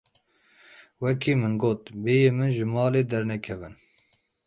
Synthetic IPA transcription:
wɛkʰiːmɨnɡoːt̪beːjeːmɨnʒɨmɑːleːd̪ɛɾnɛkʰɛvɨn

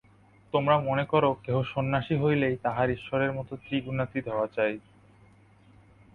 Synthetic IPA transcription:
t̪omɾamonekɔɾokeɦoʃonːaʃiɦojlejt̪aɦaɾiʃːoɾeɾmɔt̪ot̪iɡunat̪id̪ʱɔoat͡ɕaj

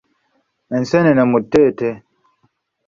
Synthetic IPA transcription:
ɛn̩sɛnɛnɛmutːete

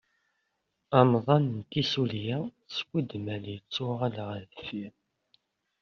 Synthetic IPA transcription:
ɑmðˤɑnnt̪isuljæ | skʷːəd̪mælijət͡sːuʁalʁəðəfi

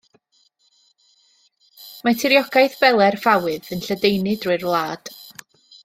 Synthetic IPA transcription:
matʰɪɾjɔɡajθb̥ɛlˠɛrvawɨðənɬədejnɨdrʊɨrvlˠaːd̥

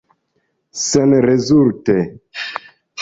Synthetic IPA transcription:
senɾezulte

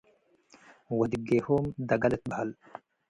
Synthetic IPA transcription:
wɐd̪ɪɡːeːhoːmd̪ɐɡɐlɛt̪̚bɐɦɐl

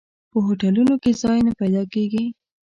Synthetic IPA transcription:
pəɦoʈalunokezɑjnapajd̪ɑkeɡi

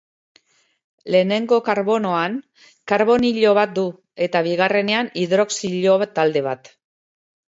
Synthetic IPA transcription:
le̞ːne̞ŋɡo̞kaɾβo̞no̞aŋ | kaɾβo̞niʎo̞β̞at̪̚d̪u | e̞t̪aβiɣ̞are̞ne̞aniðɾo̞ksiʎo̞βt̪ːald̪e̞β̞at̪

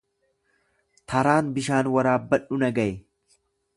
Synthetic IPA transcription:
t̪ʰɐɾaːnbɪʃaːnwɐɾaːbːɐᶑʊnɐɡɐʔɛ

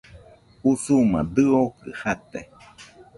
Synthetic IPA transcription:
usumã̰d̪ɨokɨ̰hat̪ḛ

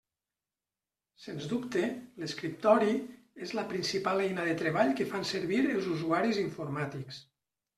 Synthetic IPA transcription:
senzd̪upt̪eleskɾip̚t̪ɔɾi | ezləpɾinsipalɛjnaðet̪ɾeβ̞aʎkəfanseɾβiɾəlˠzuzuaɾiziɱfuɾmat̪iks

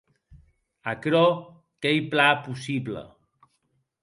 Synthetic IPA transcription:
akɾɔ | kɛjplapusiblə̰

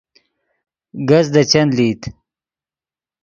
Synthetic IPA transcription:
ɡɐzd̪ət͡ɕɐnlit̪

